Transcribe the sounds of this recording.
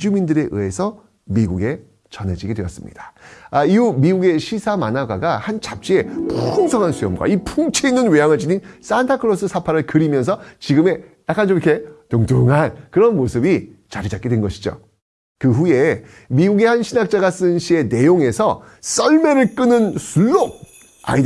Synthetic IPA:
id͡ʑumindɯɾe̞ʔɯ̰e̞sʰʌ | miɡuɡe̞ | t͡ɕʌne̞d͡ʑiɡedwe̞jʌs͈ɯmɲḭd̥ḁaiumiɡuɡe̞ɕʰisʰamanaɡaɡahant͡ɕap̚t͡ɕ͈ie̞poumsʰʌŋɦansʰujʌmɡwa̰ipʰuŋt͡ɕʰeinːɯnwejaŋɯɭd͡ʑinins͈antʰakʰɯɾos͈ɯsʰapʰaɾɯɭkɯɾimjʌnsʰʌt͡ɕiɡɯme̞jak͈ant͡ɕ͈omikʰe̞toŋtuŋɦankɯɾʌnmosʰɯbit͡ɕaɾid͡ʑak͈edwenɡʌɕʰid͡ʑo̰ | kɯɸuje̞ | miɡuɡe̞hanɕʰinak̚t͡ɕ͈aɡas͈ɯnɕʰie̞ne̞joŋe̞sʰʌ | s͈ʌɭme̞ɾɯɭk͈ɯnɯnsʰuɭːok̚ | a̰id

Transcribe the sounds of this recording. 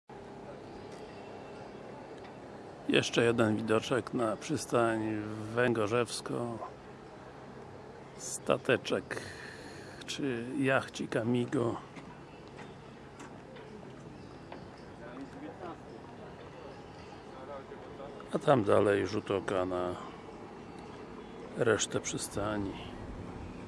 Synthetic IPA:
jɛ̰ʂt͡ʂɛjɛd̪ɛnvʲid̪ɔt͡ʂɛknapʂɘst̪aɲvɛŋɡɔʐɛfskɔ | st̪a̰t̪ɛt͡ʂɛk | t͡ʂɘjaxt͡ɕikamʲiɡɔ | at̪amd̪alɛjʐut̪ɔkana | ɾɛʂt̪ɛpʂɘst̪aɲi

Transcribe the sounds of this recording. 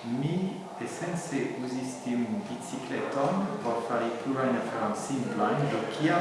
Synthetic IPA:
mi | esɛnseʔuzist̪imbit͡siklɛt̪ɔnpɔɾfaʁipluɾajnafaʁansimplɔjndɔkʰia

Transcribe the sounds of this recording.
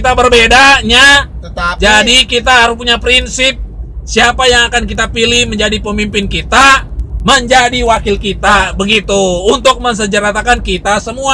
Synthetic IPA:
kit̪abərbedaɲa | d͡ʒadikit̪aɦaɾʊspuɲapɾinsɪp̚siapajaŋakankit̪apilɪhməɲd͡ʒadipəmimpɪnkit̪aməɲd͡ʒadiwakɪlkit̪abəɡit̪uunt̪ʊk̚məŋs̬əd͡ʒəɾat̪akankit̪asəmua

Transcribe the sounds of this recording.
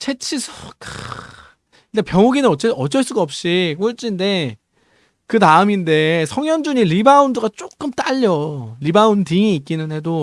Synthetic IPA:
t͡ɕʰe̞t͡ɕʰisʰo̥k | nde̞pjʌŋoɡinɯnʌt͡ɕ͈eʌd͡ʑʌɭs͈uɡaʌp̚ɕ͈ik͈oɭt͡ɕ͈inde̞ | kɯtaɯminde̞sʰʌŋjʌnd͡ʑuɲiɾibaundɯɡat͡ɕ͈ok͈ɯmt͈aʎːʌɾibaundiŋiːk͈inɯnɦe̞do

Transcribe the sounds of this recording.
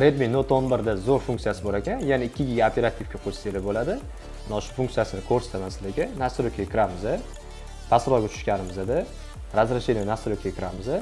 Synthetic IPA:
ɾed̪minot̪onbɪɾd̪azoɾfuŋkt̪sijasɪboɾakʲʰanjanaɪkʲʰːɪɡʲɪɡʲaapʰe̞ɾat̪ʰːɪfkʲaqʰost̪elɪbolad̪ɪ | mɪnaʊʃʊ̥fuŋkt̪sijasɪnɪkʰoɾsɪ̥t̪ʰamasɪlɪɡʲɪnasɪɾokʰʲekʲʰɪɾamɪzɪ | pʰasɾɒjɡʲɛt͡ʃʰʊ̥ʃkʲanɪmɪzɪd̪ɪ | ɾazɾaʃenɪnasɪɾokʰʲkʲʰɪɾamɪzɪ

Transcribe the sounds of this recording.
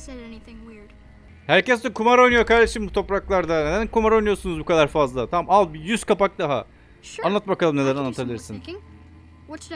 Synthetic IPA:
ŋwd̥ | hæɾcɛsd̪ɛkʰumaɾo̞jnujokaɾd̪e̞ʃimbut̪ʰo̞pɾaklˠaɾd̪aned̪ænkumaɾo̞jnujo̞sunuzbukad̪aɾfazlˠat̪ʰamamalˠbijyz̥kʰapak̚d̪aɦa | anlːˠat̪̚bakalˠɯmnelʲeɾanːˠat̪ʰabilʲiɾsɯn

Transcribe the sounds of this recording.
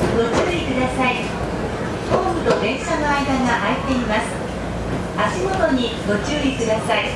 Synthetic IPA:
ɡo̞t͡ɕɨːikɯ̟d̪asai | poːmɯ̟t̪o̞d̪ẽ̞ɰ̃sanoaid̪aŋaʔait̪ːe̞imasɨ̥ | aɕimo̞t̪o̞ɲ̟i | ɡo̞t͡ɕɨːikɯ̟d̪asai

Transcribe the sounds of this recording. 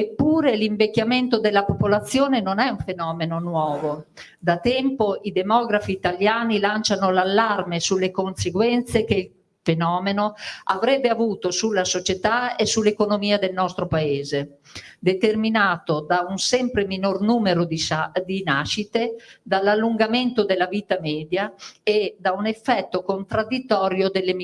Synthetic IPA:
epːuːɾeliɱvekːament̪od̪elːapopolat̪sːjoːnenonɛuɱfenɔːmenonwɔːvo | d̪at̪ɛmpoid̪emɔɡɾafiːt̪aljaːnilant͡ʃanolalːarmesulːekonseɡwɛnt̪sek̟eil | fenɔːmenoavɾɛbːeavuːt̪osulːasot͡ʃet̪aesulːekonomiːad̪elnɔst̪ɾopaeːze | d̪et̪erminaːt̪od̪aunsɛmpɾeminornumeɾod̪id̪inaʃit̪ed̪alːalːuŋɡamɛnt̪od̪elavit̪amɛːd̪jaed̪aunefːɛt̪ːokont̪ɾad̪it̪ːɔɾjod̪elːem

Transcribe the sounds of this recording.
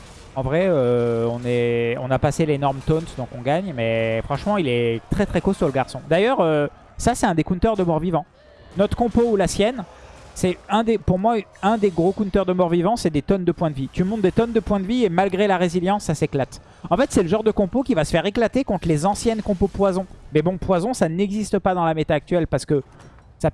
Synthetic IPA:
ɑ̃vʁɛøɔ̃nɛɔ̰̃napaselenɔʁmt̪ɔnt̪d̪ɔ̃kɔ̃ɡaɲmɛfχɑ̃ʃmɑ̃ilɛt̪χɛt̪χɛkosyʁləɡaʁsɔ̃d̪ajœʁø | sasɛt̪ɛ̃d̪ekunt̪œʁd̪əmɔʁvivɑ̃ | nɔt̪χə̥kɔ̃poulasjɛn | sɛɛ̃d̪epuʁmwaɛ̃d̪eɡʁokunt̪œʁd̪əmɔʁvivɑ̃sɛd̪et̪ɔnd̪əpwɛ̃d̪əvit̪ymɔ̃t̪d̪et̪ɔnd̪əpwɛ̃d̪əviemalɡʁelaʁeziljɑ̃sːaseklat̪ | ɑ̃fɛt̪sɛləʒɑ̃ʁd̪əkɔ̃pokʲivasə̥fɛʁeklat̪ekɔ̃t̪lezɑ̃sjɛnkɔ̃popwazɔ̃mɛbɔ̃pwazɔ̃sanɛɡzist̪əpad̪ɑ̃lamet̪aːk̚t̪ɥɛlpaʁsə̥kə | sa

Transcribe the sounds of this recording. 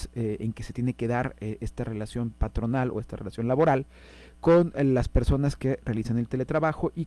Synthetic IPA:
seeŋkese̞t̪jene̞ke̞ðaɾeʔest̪are̞lasjo̞mpat̪ɾo̞nalo̰e̞st̪are̞lasjo̞nlaβo̞ɾal | ko̞nlaspe̞ɾso̞naske̞re̞alisane̞lt̪e̞le̞t̪ɾaβaxo̞ʔi

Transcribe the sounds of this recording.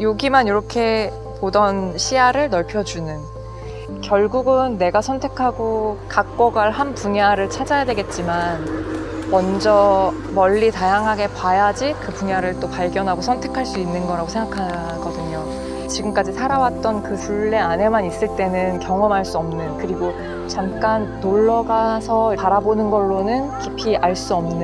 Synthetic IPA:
joɡimaniɾʌkʰe̞ | podʌnɕʰiaɾɯɭnʌɭpʰjʌd͡ʑunɯn | kjʌɭɡuɡɯnːe̞ɡasʰʌntʰe̞kʰaɡokak̚k͈ʌɡaɭɦanpuɲaɾɯɭt͡ɕʰad͡ʑajadwe̞ɡe̞t̚t͡ɕ͈imanmʌnd͡ʑʌ | mʌʎːitajaŋɦaɡe̞kwajad͡ʑikɯpuɲaɾɯɭt͈opaɭɡjʌnɦaɡosʰʌntʰe̞kʰaɭs͈uinːɯnɡʌɾaɡosʰe̞ŋɡakʰa | ɡʌdɯɲo | t͡ɕiɡɯmk͈ad͡ʑisʰaɾawat̚t͈ʌnkɯpʰuɭːe̞ane̞manis͈ɯɭt͈e̞nɯnkjʌŋʌmɦaɭs͈uʌmnɯnkɯɾiɡo | t͡ɕamk͈anːoɭːʌɡasʰʌpaɾabonɯnɡʌɭːonɯnkipʰiʔaɭs͈uʌmnɯn

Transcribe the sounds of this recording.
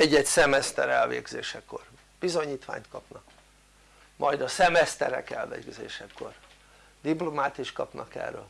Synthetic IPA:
ɛɟːɛcsɛmɛst̪ɛɾɛlvḛːɡzeːʃɛkːor | b̥izo̞ɲiːt̪ʋa̰ːɲt̪kɒpnɒk | mʔɒjd̪ɒsɛmɛst̪ɛɾɛ̰kɛlveːɡzeːʃɛkʰːo̞r | d̪iplomaːt̪iʃt̪kɒpnɒkɛ̰rːøːl

